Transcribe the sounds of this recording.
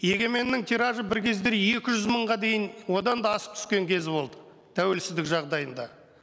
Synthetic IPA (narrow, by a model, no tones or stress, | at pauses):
je̞ɡʲe̞me̞nːɪŋt̪ʰiɾɑʒəbɪɾkʲʰe̞zd̪e̞ɾje̞kʲɪʒʏzməɴʁɑd̪e̞jɪnwo̞d̪ɑnd̪ɑːsə̥p̚t̪ʰʏ̥skʲe̞ŋkʲʰe̞zɪbo̞̰lˠd̪ə | t̪ʰæwe̞lsɪzd̪ɪkʒɑʁd̪ɑjənd̪ɑ